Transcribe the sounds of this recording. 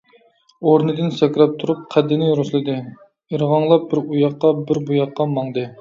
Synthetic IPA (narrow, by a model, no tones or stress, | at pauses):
oɾnɨd̪ɨnsɛkʲɾɛp̚t̪ʰuɾup̚qʰæd̪ɪnɪɾuslˠɨd̪ɨ | əɾʁɑŋlˠɑp̚bɪɾujɑqːɑbɪɾbujɑqːɑmɑŋd̪ɨ